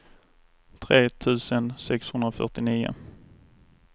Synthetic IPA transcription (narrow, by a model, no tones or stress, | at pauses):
t̪ʰɾeːt̪ʰʉ̟ːsənsɛkshɵnd̪ɾafœ̰ʈɪniːʊ̰